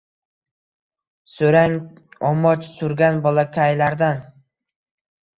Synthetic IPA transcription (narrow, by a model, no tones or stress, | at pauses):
sɵɾaŋ | ɒmɒt͡ʃsʊɾɡʲanbɒlˠakʲʰajlaɾd̪an